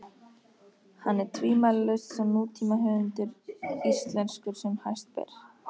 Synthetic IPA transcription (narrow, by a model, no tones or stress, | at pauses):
hanːɛɾ̥t̪ʰviːmalalœɥst̪sɛmnuːt̪ʰiːmaɦɛvɪnt̪ʏɾist̪lɛnskʏɾ̥sɛmhajst̪̚pɛ̰ɾ̥